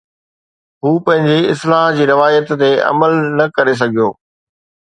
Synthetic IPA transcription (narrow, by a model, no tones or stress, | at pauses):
ɦuːpɐ̃ɦɪ̃ɲd͡ʑeɪslaːɦd͡ʑiːɾɪʋaːjət̪ːeɐ̰məlnɐkɐɾes̬ɐɡʱijo̰ː